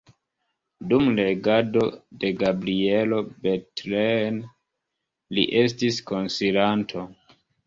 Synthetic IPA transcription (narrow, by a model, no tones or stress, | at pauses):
dumle̞ɡado̞de̞ɡabɾie̞lo̞betlen | lḭʔe̞s̬tisko̞nsilantʰo